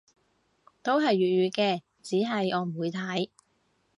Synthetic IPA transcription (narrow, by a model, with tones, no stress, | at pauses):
t̪o˥wɦɐ˨jɥyː˨t̚ɥyː˨˧kɛː˧ | t͡siː˨˥ɦɐ˨jʔɔː˨˧m̩˨˩wuː˨˧jt̪ʰɐ˨˥j